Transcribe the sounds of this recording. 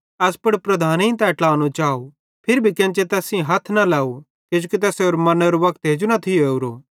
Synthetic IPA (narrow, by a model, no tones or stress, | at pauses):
ɐspɐɽpɾɐd̪ʱaːnĩt̪ɛʈlaːnot͡ʃaːo | pʰɪɾbʱikɛ̃ːnt͡ʃet̪ɛːsĩɦɐt̪ʰnɐlɛːo | kɪd͡ʒoːkit̪̬ɛːseoːɾmɐnəɾʋɐk̚t̪ɦeːd͡ʒunɐt̪ʰioeːuɾoː